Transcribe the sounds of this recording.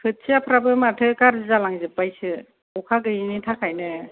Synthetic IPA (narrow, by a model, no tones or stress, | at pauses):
pʰɯt̚sʰiapʰɾabɯmatʰɯkaɾɯzalaŋzɯpːajsɯ | ɔkʰaɡɯjinitʰakʰajnɯ